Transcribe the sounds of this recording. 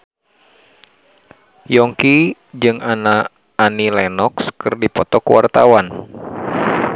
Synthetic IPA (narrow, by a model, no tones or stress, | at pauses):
jɔŋki | d͡ʒɨŋanaː | nilanɔkskɨrdipɔt̪ɔkuwa̰rt̪awan